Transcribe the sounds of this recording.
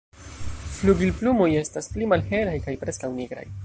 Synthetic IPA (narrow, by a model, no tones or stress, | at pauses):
fluɡilplumo̞je̞stasplimalhe̞lajkajpɾe̞skawniɡɾa̰j